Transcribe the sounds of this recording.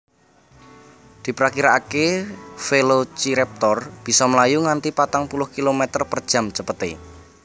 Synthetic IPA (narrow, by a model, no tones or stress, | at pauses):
d̪̥i̤pɾakiɾaakefelot͡ʃiɾɛp̚t̪ɔrb̥i̤sɔməlajuŋant̪ipat̪aŋpulʊhkilomɛt̪ərpərd̥ʒ̥a̤mt͡ʃəpət̪ḛ